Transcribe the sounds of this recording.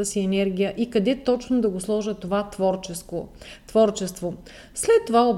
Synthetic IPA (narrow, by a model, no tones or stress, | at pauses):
əsiɛnɛɾɡ̟ʲijəʔikɐd̪ɛt̪ɔt͡ʃnʊd̪ɐɡoslˠɔʒət̪ovat̪vɔɾskot̪vɔɾt͡ʃɛst̪vo | slɛt̪ːovaob